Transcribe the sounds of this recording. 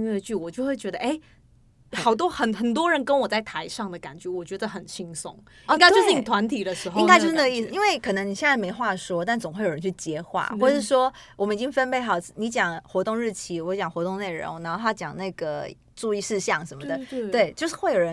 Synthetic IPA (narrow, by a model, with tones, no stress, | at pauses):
nwe˥˧ɪt͡ɕy˥˩wɔ˨˩t͡ɕjo˥˧ʊxwe˥˩ɪt͡ɕɥɛ˧˥d̪ə˧ʔe˥˩ɪ | xɑ˨˩ʊt̪̬wɔ˥xə˨˩nxə˨˩nt̪̬wɔ˥ɻə˧˥nkə˥nwɔ˨˩t͡sa˥˩ɪt̪ʰa˧˥ɪʂɑ˥˩ŋd̪ə˩ka̰˨˩nt͡ɕɥɛ˧˥wɔ˨˩t͡ɕɥɛ˧˥d̪ə˧xə˨˩nɕi˥ŋsʊ̰˥˩ŋ | i˥ŋka˥t͡ɕto˥˧ɻ̩˥˩ni˨˩t̪ʰwa˧˥nt̪ʰi˨˩d̪ə˦ʂɻ̩˧˥xo˧i˥˧kt͡ɕo˧ʂ̩˥˧n˥˧ɡə˧i˥˩s̩˧i˥nwe˥˩ɪkʰɤ˨˩nə˧˦ŋn˨˩ɕjɛ˥˧nt͡sa˥˩ɪme˧˥ɪxwa˥˩ʂwɔ˥t̪a˥˩nt͡so˨˩ŋxwe˥˩jɻə˦nt͡ɕʰy˥˩t͡ɕjɛ˥xwa̰˥˩xwɔ˥˧ʂɻ̩˥˩ʂwɔ˥wɔ˨˩mə˦ni˨˩t͡ɕi˥ŋfə˥npe˥˧ɪxɑ˨˩ʊ˥˩ni˧˥t͡ɕjɑ˨˩˦ŋxwɔ˧˥t̪ʊ˥˧ŋɻɻ̩˥˩t͡ɕʰi˧˥wɔ˧˥t͡ɕjɑ˨˩ŋxwɔ˧˥t̪ʊ˥˧ŋne˥˩ɪɻo̰˧˥ŋna˧˥nxo˥˧ɑ˥˩ʊt͡ɕjɑ˨˩ŋna˥˩ɡə˩ | ʈ͡ʂu˥˧i˥˧ʂɻ̩˥˧ɕjɑ˥˩ŋʂə˧˥nmə˨d̪ə˩we˥˩ɪt͡ɕjo˥˧ʊʂɻ̩˥˧xwe˥˩ɪjo˨˩ɻə˧˦n